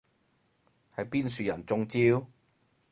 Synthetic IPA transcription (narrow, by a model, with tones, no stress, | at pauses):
hɐ˨˧jpiː˥nsyː˨˧jɐ˨˩nt͡sʊ˧ŋt͡siː˧˥w